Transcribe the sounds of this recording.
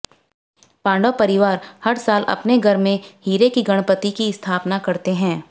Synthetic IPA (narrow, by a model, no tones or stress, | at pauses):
pãːɳɖopɐɾɪʋaːɾhɐɾsaːlɐ̰pneɡʱɐɾmẽhiːɾekiɡɐɽ̃pət̪ikiɪst̪ʰaːpnakɐɾt̪eɦɛ̃ː